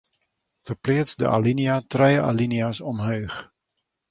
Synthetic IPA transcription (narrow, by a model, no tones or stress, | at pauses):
fərplɪət͡sdə̰ʔa̰liniatrɛjəa̰liniasɔmɦøːx